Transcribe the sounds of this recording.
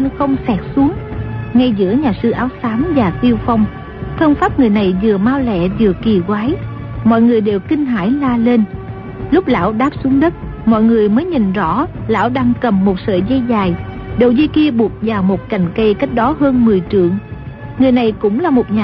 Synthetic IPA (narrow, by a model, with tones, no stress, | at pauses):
nxə˧wŋ͡msɛ˨˥t̚su˨˦əŋŋa˧jzɨ̰˧˥əɲaː˨˩sɨ˧ʔaː˨˦wsaː˨˦mzaː˨˩t̪i˧əwfa˧wŋ͡m | t̪ʰə˧wŋ͡mfaː˦˥p̚ŋɨ˨˩əjna˨˩jzɨ˨˩əmaː˧wlɛ̰˧˨zɨ˨˩əki˨˩kwaː˨˦j | mɔ̰˧˨jŋɨ˨˩əjɗe˨˩wkï˧ŋ̟ɦaː˧˥jlaː˧le˧n | lʊ˦˥k͡p̚la̰ː˧˥wɗaː˦˥p̚su˨˦əŋɗə˦˥t̚ | mɔ̰˧˨jŋɨ˨˩əjməː˨˦jɲï˨˩ŋ̟zɔ̰˧˥la̰ː˧˥wɗaː˧ŋkə˨˩mːo˨˩t̚sə̰ː˧˨zɛ˧jzaː˨˩j | ɗo˨˩wzi˧jki˧əɓu˨˩ək̚vaː˨˩wmo˨˩t̚ka˨˩jŋ̟kə˧jka˦˥k̟̚ɗɔ˨˦ɦəː˧nmɨ˨˩əjt͡ɕɨ̰˧˨əŋ | ŋɨ˨˩əjna˨˩jkʊ̰˧˥ŋ͡mlaː˨˩mo˨˩t̚ɲaː˨